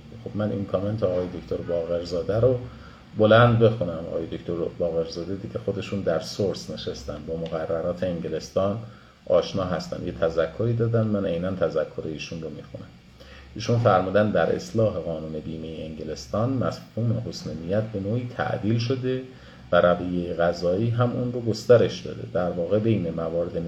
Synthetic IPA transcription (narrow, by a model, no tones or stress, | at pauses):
xob̥mænʔḭnkʰɒme̞nt̪ʰeːɒːjed̪okʰt̪ʰoɾbɒːɣe̞ɾzɒːd̪æɾo | bo̞lænd̪be̞xunæmʔɒ̰ːjed̪oct̪oɾbɒːɣe̞ɾzɒːd̪ed̪iɟexo̞d̪e̞ʃund̪æɾsoɾsne̞ʃest̪ænd̪bɒːmoɣærːæɾɒːt̪ʰe̞eŋɟele̞st̪ɒːn | ʔɒːʃnɒːɦæst̪æ̰nd̪jet̪ʰæzækʰːoɾiːd̪ɒːd̪ænd̪mænejnænt̪ʰæzækʰːoɾeiːʃunromixunæm | ʔiːʃunfæɾmuːd̪ænd̪d̪æɾʔḛslɒːɦe̞ɣɒːnuːne̞biːmejeeŋɟele̞st̪ɒːnmæshuːmehosmenijæt̪̚be̞noːiːt̪ʰæ̰ʔd̪iːlʃo̞d̪e | væɾævijejeɣæzɒːiːɦæmunroɡo̞st̪æɾe̞ʃd̪ɒ̰ːd̪e̞̰d̪̥æɾvɒːɣe̞be̞jne̞mævɒːɾed̪e